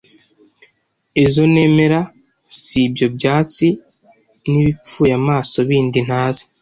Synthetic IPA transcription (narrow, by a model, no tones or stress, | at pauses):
ezo̞ne̞ːme̞ɾa | sibjo̞bɟaːt͡si | niβip͡fuːjamaːso̞βiːndin̥haːze̥